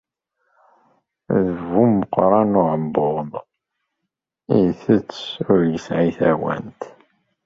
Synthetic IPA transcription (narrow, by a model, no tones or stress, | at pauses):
ðəvumːəqːɾˤɑnʊʕəmbʊʁð | iθət͡sːʊɾjəsʕiθæwæ̰nt̪